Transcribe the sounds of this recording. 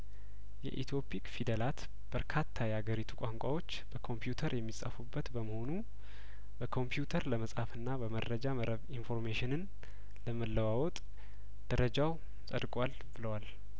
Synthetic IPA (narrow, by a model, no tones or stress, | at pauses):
jɛ̰ʔḭt̪ʰjo̞pʼikfid̪əlat̪ | b̥əɾkʰat̪ʰːajɛaɡəɾit̪ʰu̥kʷʼaŋkʷʼawo̞t͡ʃːb̥əkʰo̞mpjut̪ʰəɾjɛmːisʼa̰fubːət̪bəməho̞nu | bəkʰo̞mpjut̪ʰəɾləməsʼhafɨnːabəməɾːəd͡ʒaməɾʔəβinfo̞ɾmeʃɪnɨn | ləməlːəwawɔt̪ʼ | d̪̥əɾəd͡ʒaw | sʼə̰d̪kʼwal | b̥ɨləwal